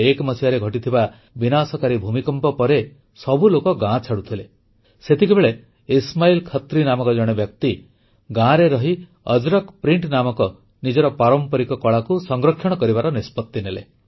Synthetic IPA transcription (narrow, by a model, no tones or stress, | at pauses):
ekmɔsiaɾeɡʱɔʈit̪ʰiba | binasɔkaɾibʱumikɔmpɔpɔɾe | sɔbulokɔɡãt͡ʃʰaɽut̪ʰile | set̪ʰikʰibeɭe | ismailkʰɔt̪ɾinamɔkɔd͡ʒɔɽ̃ebjɔk̚t̪i | ɡãɾeɾɔɦi | ɔd͡ʒɾɔkpɾiɳʈnamɔkɔ | nid͡ʒɔɾɔpaɾɔmpɔɾikɔkɔɭakusɔŋɡɾɔkʰjɔɽ̃ɔkɔɾibaɾɔnispɔt̪ːinelḛ